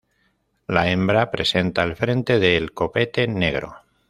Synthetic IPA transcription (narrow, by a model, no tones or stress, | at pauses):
laembɾapɾe̞se̞nt̪aelfɾe̞nt̪e̞ðelko̞pe̞t̪e̞ne̞ɣ̞ɾo̞̰